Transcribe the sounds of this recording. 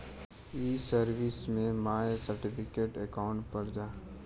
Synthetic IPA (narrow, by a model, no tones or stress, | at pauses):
iːsəɾʋɪsmẽmaːjsəɾʈɪpʰɪkeːʈekaʊ̃ɳʈpɐɾd͡ʒaː